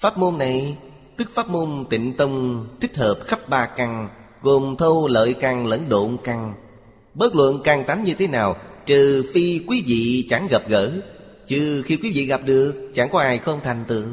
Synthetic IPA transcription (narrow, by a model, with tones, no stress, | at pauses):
faː˦˥t̚mo˧nːa˨˩j | t̪ɨ˦˥k̚faː˦˥t̚mo˧nt̪ḭ̈˧˨ŋ̟t̪ə˧wŋ͡mt̪ʰï˦˥k̟̚həː˨˩p̚xə˦˥p̚ɓaː˨˩ka˨˩ŋ | ɣo˨˩mt̪ʰə˧wlə̰ː˧˨jka˨˩ŋlə̰˧˥nɗo̰˧˨nka˨˩ŋ | ɓəː˦˥t̚lwə̰˧˨nkaː˨˩ŋt̪a˨˦ŋɲɨ˧t̪ʰe˨˦naː˨˩wt͡ɕɨ˨˩fi˧kwi˨˦vḭ˧˨t͡ɕa˧˩ŋɣə˨˩p̚ɣəː˧˥ | t͡ɕɨ˧˩xi˧kwi˨˦vḭ˧˨ɣa˨˩p̚ɗɨ˨˩ək̚t͡ɕa˧˩ŋkɔ˨˦ʔaː˨˩jxə˧wŋ͡mt̪ʰa˨˩jŋ̟t̪ɨ̰˧˨